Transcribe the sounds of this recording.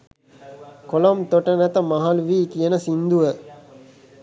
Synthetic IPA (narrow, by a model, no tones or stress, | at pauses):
kolomt̪oʈənæt̪əmaɦalʋiːkijənəsind̪uʋə